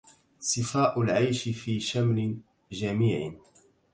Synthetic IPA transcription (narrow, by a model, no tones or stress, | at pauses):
sˤɨfaːʔʊlʕajʃɪfiːʃamlɪ | d͡ʒamiːʕ̰